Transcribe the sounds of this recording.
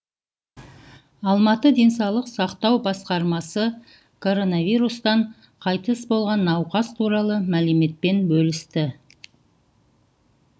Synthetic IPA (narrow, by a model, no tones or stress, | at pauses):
ɑlˠmɑt̪əd̪e̞nsɑwlˠəqsɑqt̪ɑwbɑsqɑɾmɑsə | kʰo̞ɾo̞naviɾust̪ɑɴ | qʰɑjt̪əsbo̞lˠʁɑnːɑwqɑst̪ʰuɾɑlˠəmæleme̞t̪̚pe̞nbɵlɪst̪ɪ